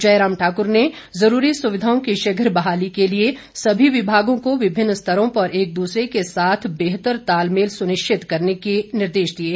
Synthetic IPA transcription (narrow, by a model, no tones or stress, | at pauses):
d͡ʒɐjɾaːmʈʰaːkʊɾne | zɐɾuːɾisʊʋɪd̪ʱaːõkiʃɐɡʱəɾbɐɦaːlikelie | sɐbʱiʋɪbʱaːɡõkoʋɪbʱɪnːst̪ʰɐɾõpɐɾeːk̚d̪uːsɾekesaːt̪ʰbeːɦt̪əɾt̪aːlmeːlsʊnɪʃt͡ʃʰɪt̪kɐɾnekenɪɾd̪eːʃd̪ieː